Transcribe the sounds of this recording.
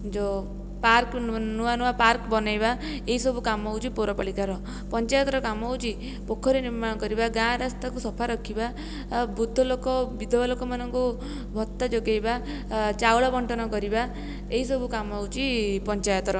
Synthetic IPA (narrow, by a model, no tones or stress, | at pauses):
d͡ʒo | paɾknuanuapaɾkbɔnajba | eɦisɔbukamɔwt͡ʃʰipoɾɔpɔɭikaɾɔ | pɔnt͡ʃajɔt̪ɾɔkamɔwt͡ʃʰi | pokʰːɔɾeniɾmaɽ̃ɔkɔɾibaɡãɾast̪akusɔpʰaɾɔkʰiba | bud̪ʱːɔlokɔbid̪ʱɔlokɔmanɔŋku | bʱɔt̪ːad͡ʒoɡejba | t͡ʃawɭabɔɳʈɔnɔkɔɾiba | eɦisɔbukamɔwt͡ʃʰipɔnt͡ʃajɔt̪ɔɾɔ